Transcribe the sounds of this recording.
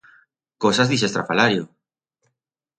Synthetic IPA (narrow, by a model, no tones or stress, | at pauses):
kosazðisest̪ɾafalaɾjo